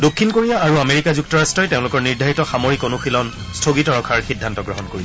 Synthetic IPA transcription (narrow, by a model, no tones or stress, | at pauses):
dokʰːinkoɹijaːɹuameɹikazuk̚tɔɹastɹɔjteʊ̃lʊkɔɹniɹdʱaitɔxamoɹikonoxʰilɔn | stʰoɡitɔɹɔkʰaɹxidʱːantɔɡɹɔɦɔnkoɹi